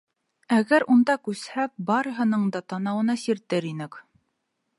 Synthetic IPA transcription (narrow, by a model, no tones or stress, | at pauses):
æɡæɾund̪ɑkʉshæk̚bɑɾɤ̆ɦɤ̆nɤɴd̪ɑt̪ɑnɑwɤ̆nɑsiɾt̪ɘɾinɘk